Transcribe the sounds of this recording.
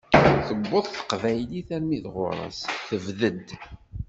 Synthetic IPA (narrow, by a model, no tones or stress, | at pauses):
θəbːʊðˤθə̥qvæjliθæɾmiðʁʊ̰ɾˤɑ̰sθəvðəd̪